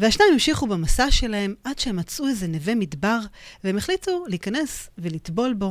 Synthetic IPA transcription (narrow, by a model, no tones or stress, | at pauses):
veaʃnajmimʃiχubemasaʃe̞lahe̞mʔad̥ʃehemat͡suezeneve̞midbaʁveemeχlituliːkane̞svelit̪bo̞lbo̞